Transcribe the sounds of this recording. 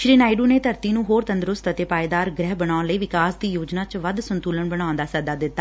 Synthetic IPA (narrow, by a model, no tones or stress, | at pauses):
ʃɾiːnaːɪɖuːneːt̪əɾt̪iːnũːɦoːɾt̪ənd̪əɾʊst̪ət̪eːpaːed̪aːɾɡɾɛɦbəɽãːnləiːʋɪkaːsd̪iːjoːd͡ʒnaːt͡ʃʋəd̪sənt̪uːləɳbəɽ̃aːʊ̃nd̪aːsəd̪aːd̪ɪt̪ːaː